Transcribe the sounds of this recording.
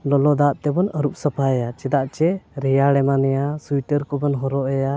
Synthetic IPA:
lɔlɔd̪aʔt̪ɛbɔnəɾup̚səpʰaɛjat͡ʃɛd̪aʔt͡ʃɛɾɛjaɽɛmanɛjasuiʈəɾkɔbɔnɦɔɾɔʔɛja

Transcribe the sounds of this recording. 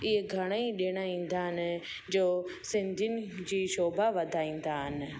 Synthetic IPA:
ɪɦeɡʱɐɽ̃aĩɗiɽ̃aĩːn̆d̪aːɦɪnɪ̆ | d͡ʑoːsɪ̃nd̪ʱijʊnɪ̆d͡ʑiːʃoːbaʋɐd̪ʱaːĩːn̆d̪aːɦɪnɪ̆

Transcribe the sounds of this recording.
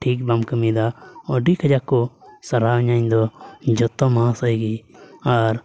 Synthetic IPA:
ʈʰiːk̚bamkəmid̪aɔɖikʰəd͡ʒakːɔsɐɾaɲaɲd̪ɔd͡ʒɔt̪ːɔmãsəiɡiaɾ

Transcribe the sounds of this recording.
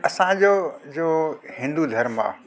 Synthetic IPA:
ɐsãd͡ʑoːd͡ʑoːhɪ̃nd̪ud̪ʱɐɾmã̰

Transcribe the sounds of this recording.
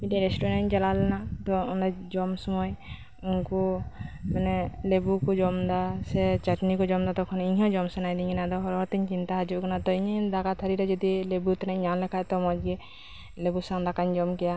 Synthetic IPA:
biʈɛɾɛsʈɔɾɛnt͡ʃalalɛnat̪ɔunɾɛd͡ʒɔmsɔmɔj | unkumanɛlebukɔd͡ʒɔmd̪asɛt͡ʃaʈnikɔd͡ʒɔmd̪at̪ɔkʰɔniɲɦɔ̃d͡ʒɔmsɔnajd̪iɲɡɛnad̪ɔɦɔɾɔɾt̪iɲt͡ʃint̪aɦad͡ʒuʔkanat̪ɔiɲd̪akat̪ʰaɾiɾɛd͡ʒɔd̪ilebut̪ɔnɛɲanlɛkʰajt̪ɔmɔd͡ʒɡɛ | lebusaŋd̪akaɲd͡ʒɔmkɛja

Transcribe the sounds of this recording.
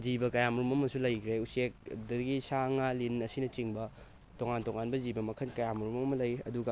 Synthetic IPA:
d͡ʒibɐkɐjamuɾumɐmɐsulɐjkʰɾeusek̚dɐɡisaŋalinɐsinɐt͡ʃiŋbɐ | toŋantoŋanbɐzibɐmɐkʰɐnkɐjamuɾumɐɐmɐlɐjɐ̰duɡɐ

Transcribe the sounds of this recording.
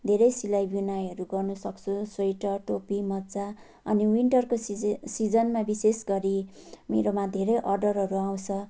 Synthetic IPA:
d̪ʱeɾʌjsilajbinajʌɾuɡʌrnʌsʌkt͡sʰusʌjʈʌʈopimʌtt͡sa | ʌ̰niwiɳʈʌrkosid͡zʌnmabisesɡʌɾimḛɾomad̪ʱeɾʌjʔʌrɖʌrɦʌɾuaw̃t͡sʰʌ

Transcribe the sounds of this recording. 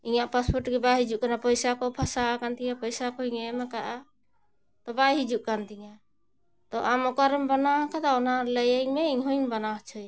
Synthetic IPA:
iɲaʔpaspɔɾʈɡɛbaɦid͡ʒuʔ̚kanapɔjsakɔpʰasakant̪ijapɔjsakɔiŋɛmɛkaʔa | t̪ɔbajɦid͡ʒuʔkant̪iɲa | t̪ɔʔamɔkaɾɛmbanaɦkʰad̪aɔnaləjɛŋmɛiŋɦujnbanaɦt͡ʃʰɔj

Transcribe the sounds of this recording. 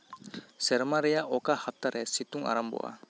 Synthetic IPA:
sɛɾmaɾɛjaʔɔkahap̚taɾɛsituŋa̰ɾambɔ̰ʔa̰

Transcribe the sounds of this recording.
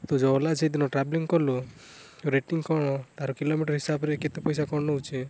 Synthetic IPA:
t̪od͡ʒɔɔlad͡ʒʰejd̪inɔʈɾabliŋkɔlu | oɾeʈiŋkɔɽ̃ɔt̪aɾɔkilomiʈɔɾɦisabɔɾeket̪epɔjsakɔ̃ɔɦut͡ʃʰe

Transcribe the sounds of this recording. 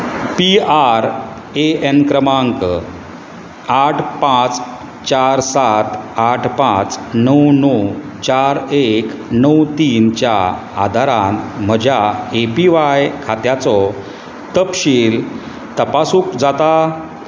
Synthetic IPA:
piaɾ | eenkɾəmaŋk | aʈʰpãt͡s | t͡ɕaɾsat̪aʈʰpãt͡snəwnəw | t͡ɕaɾeknəwt̪iːnt͡ɕja | a̰d̪ʱaɾanm̤əd͡ʑʱjaepiʋajkʰat̪jat͡sɔ | t̪əpɕiːl | t̪əpasuːkd͡zat̪a

